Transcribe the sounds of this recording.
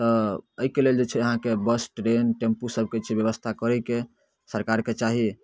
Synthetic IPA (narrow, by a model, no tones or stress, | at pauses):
t̪ɔəikeleld͡ʒet͡ʃʰɛəɦãkebəsʈɾenʈempusəb̚ʱket͡ʃʰɛbjəβəst̪ʰakəɾɛjke | səɾkaɾket͡ʃaɦi